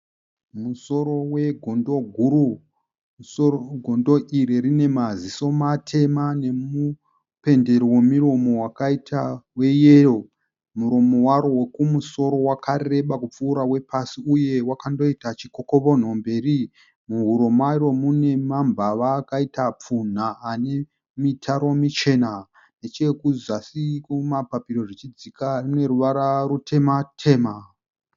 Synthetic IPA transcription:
muso̞ɾowe̞ɡʱondoɡʱuru | ɡʱo̞ndo̞ʔiriɾine̞maziso̞matʰe̞mane̞mu | pe̞nde̞ɾiwe̞miro̞mo̞wakaitʰawe̞jero̞ | muɾo̞mo̞waɾowekumuso̞ɾo̞wakare̞ɓakup͡fuːɾawe̞pasiuje̞wakando̞itat͡ʃiko̞ko̞βo̞n̤o̞mbe̞ri | muɦuɾomairo̞mune̞mambʱaʋakaitap͡fun̤aːne̞ | mitʰaɾo̞mit͡ʃe̞na | ne̞t͡ʃe̞kuzasikumapapiɾo̞rit͡ʃid͡zikarune̞ɾuʋaɾarutʰe̞matʰe̞ːma

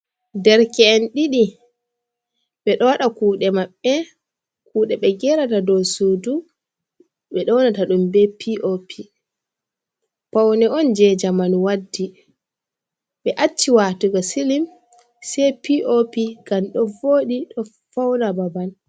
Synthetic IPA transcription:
dɛɾkɛːnɗiɗi | ɓɛɗɔwaɗakuːɗɛmaɓːɛ | kuːɗɛɓɛɡɛɾatadɔsudu | ɓɛɗɔwnataɗumbɛpʰiʔopʰi | pawnɛɔnd͡ʒɛd͡ʒamanwadːi | ɓɛʔat͡ʃːiwaːtuɡasilim | sɛjpiʔopiɡ̥amɗɔvoːɗiɗɔ | fawnababan

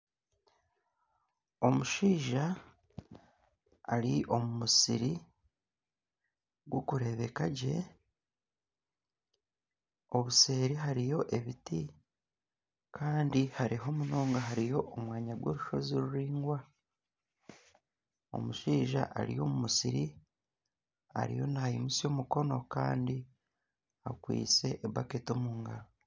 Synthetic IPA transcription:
o̞muʃiːʒa | ɾiʔo̞mumusiɾi | ɡwokuɾe̞βe̞kaɟe̞̰ | o̞βuseːɾiɦaɾijo̞ʔe̞βiti | kʰaːndihaɾiɦo̞muno̞ːŋɡaɦaɾijo̞ʔːmwaːɲaɡwo̞ɾuʃo̞ziɾuɾiːŋɡwa | o̞̰muʃiːʒa̰ʔa̰ɾḭjo̞̰mumusiɾi | a̰ɾḭjo̞̰najimusio̞muko̞no̞ka̰ːndi | akwḭːt͡se̞ʔːbaketomuːŋɡaɾo

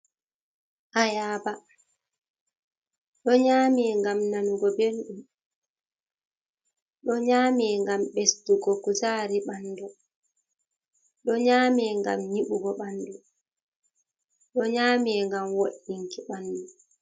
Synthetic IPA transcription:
ʔajaːba | ɗɔɲaːmɛːŋɡamnanuɡɔbenɗum | ɗɔɲaːmɛːŋɡamɓestuɡɔkusaːɾiɓanːdɔ | ɗɔɲaːmɛːŋɡa̰mɲiɓuɡɔɓandɔ | ɗɔɲaːmɛːŋɡamwoɗːiŋkiɓandɔ

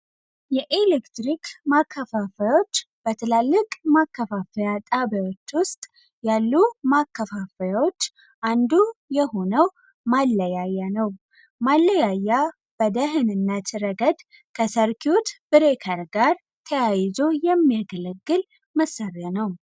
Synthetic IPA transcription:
jɛʔelekt̪ɾikmakʰːəfafəjwo̞t͡ʃː | b̥ət̪ʰɨlalːɨkʼmakːəfafəjat̪ʼabjawo̞t͡ʃːwʊst̪ʼ | jalːumakːəfafəjawo̞t͡ʃː | ʔand̪ujɛho̞nəw | malːəjajːanəw | malːəjajːa | b̥əd̪əɦɨnɨnːat̪ɨɾəɡəd̪ | kʰəsəɾkʰiut̪b̥ɨɾekʰəɾɡaɾ | t̪ʰəjajzo̞jɛmːijaɡələɡːɨl | məsːaɾjanəw

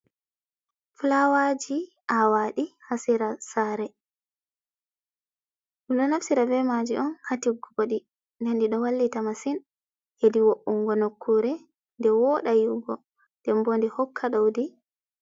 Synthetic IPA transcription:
flawad͡ʒi | ʔawaɗihasiɾasaɾɛ | ɗuɗɔnafsiɾabɛmad͡ʒiʔɔnhatiɡuɡoɗi | nandiɗɔwalːitamasin | hediwoʔuŋɡɔnokʰːuɾɛ | ndɛwɔɗajuɡɔ̰ | nd̥ɛmbondihɔkʰːaɗowdi

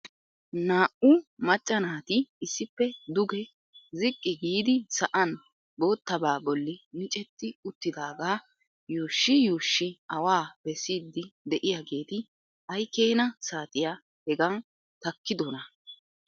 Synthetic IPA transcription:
naːʔʊmɐt͡ʃʼːɐnaːt̪ɪɪsːɪpːɛd̪ʊɡɛ | zɪkʼːɪɡiːd̪ɪsɐʔɐn | boːt̪ːɐbaːbɔlːɪnɪt͡ʃʼɛt̪ːɪʊt̪ːɪd̪aːɡaː | juːʃːɪjuːʃːɪɐwaːb̥ɛsiːd̪ːɪd̪ɛʔɪjaɡe̞ːt̪ɪ | ɐjkeːnɐsaːt̪ʼɪja | hɛɡɐn | t̪ɐkːɪd̪ɔnɐ

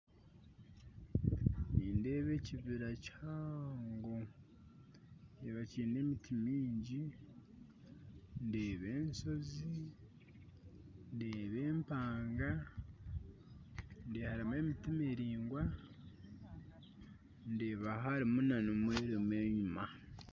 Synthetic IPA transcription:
niːnde̞ːβe̞ːciβiɾachaaːŋɡo | eβaciːne̞ːmitimiːɲɟi | ndeːβe̞ːnso̞zi | ndeːβe̞ːmpaːŋɡa | ndeːhaɾime̞ːmitimeɾiːŋɡwa | ndeːβaɦaɾimunanomweːɾeme̞ːɲuma

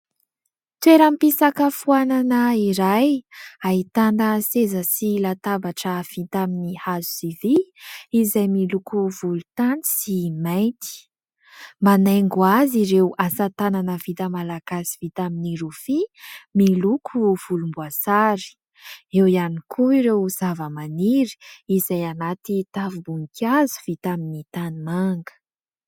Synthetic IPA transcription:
t̪weɾampisakəfuananəiɾajaɦit̪and̪əsezəsilat̪abaʈ͡ʂəfit̪aminihazu̥siviizajmilukuvulut̪ani̥simajt̪i̥ | manajŋɡuaziɾewʔasat̪ananəv̥it̪əmalaɡ̥asi̥vit̪aminiɾufimilukʰuv̥ulumbuasaɾi̥ | ewianikʰuiɾewz̥avəmaniɾi̥izajanat̪it̪avubuŋkʰazu̥v̥it̪aminit̪animaŋɡə̥

